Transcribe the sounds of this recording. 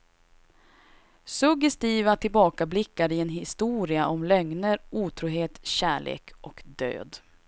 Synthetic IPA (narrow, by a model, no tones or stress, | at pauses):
sɵɡɛst̪iːvat̪ʰɪlbɑːkablɪkːaɾɪɛnɦɪst̪uːɾɪaʔɔmlœŋnəɾuːt̪ʰɾuːɦeːt̪ɕæːɭʔḛːkʔɔkd̪ø̰ːd̪